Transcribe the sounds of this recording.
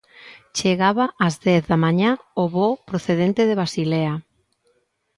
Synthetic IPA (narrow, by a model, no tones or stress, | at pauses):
t͡ʃeɣaβaːzðɛθðamaɲaoβopɾoθeðent̪eðeβ̞asilea